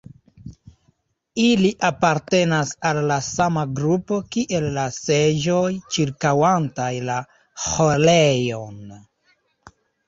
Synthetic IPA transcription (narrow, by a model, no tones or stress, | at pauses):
iliʔapaɾte̞nasalːasamaɡɾupo̞kiʔe̞lːaseʒo̞jt͡ʃiɾkawantajla | holejo̞n